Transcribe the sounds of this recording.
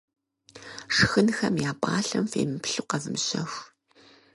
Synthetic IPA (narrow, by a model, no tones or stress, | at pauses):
ʂɨxɨnxɐmjaːpʼaːɬɐmfḛːmɨpɬuqɐvɨmɕɐxʷ